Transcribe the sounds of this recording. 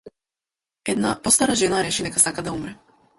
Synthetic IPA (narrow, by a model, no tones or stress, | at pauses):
ɛd̪na̰pɔst̪aɾaʒɛnaɾɛʃinɛkasakad̪aumɾɛ